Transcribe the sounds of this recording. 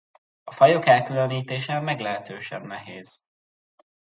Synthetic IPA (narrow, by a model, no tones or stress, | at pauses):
ɒfɒjo̞kɛlkyløniːt̪eːʃɛmːɛɡlɛɦɛt̪øːʃɛ̰nːɛɦeːz̥